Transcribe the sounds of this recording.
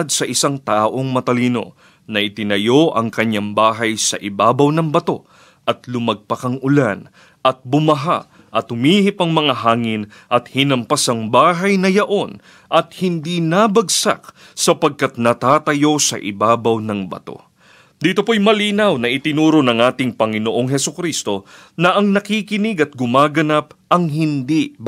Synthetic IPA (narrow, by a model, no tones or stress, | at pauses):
d̪̚sɐʔɪsaŋt̪aːʔo̞ŋmɐt̪ɐliːno̞̰ | nɐʔɪt̪ɪnɐjo̞ʔɐŋkɐɲːaŋbaːɦɐjsɐ̰ʔɪbaːbɐwnɐŋbɐt̪o̞ | ʔɐt̪lʊmɐɡ̚pɐkɐŋʊlan | ʔɐt̪̚bʊmɐɦa̰ | ʔɐt̪hʊmiːhɪpɐŋmɐŋaɦaːŋɪn | ʔɐt̪̚hɪnɐmpasɐŋbaːɦɐjnɐjɐʔo̞n | ʔɐt̪̚hɪnd̪inabɐɡsa̰k̚ | sɐpɐɡ̚kɐt̪̚nɐt̪aːt̪ɐjo̞sɐ̰ʔɪ̰baːbɐwnɐŋbɐ̰t̪o̞̰ | d̪iːt̪o̞pojmɐliːnɐwnɐʔɪt̪ɪnuːɾonɐŋaːt̪ɪŋpɐŋɪnoʔo̞ŋɦɛsʊkɾist̪o̞ | nɐʔɐŋnɐkikɪnɪɡɐt̪̚ɡʊmaːɡɐnap̚ɐŋɦɪnd̪i